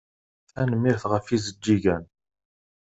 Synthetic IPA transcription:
θænəmːiɾθʁəfizəd͡ʒːiʝæn

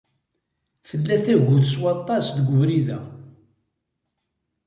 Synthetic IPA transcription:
θəlːæθæɡʷuθəswɑt̪ˤːɑsðəɡʷəvɾiðæ̰

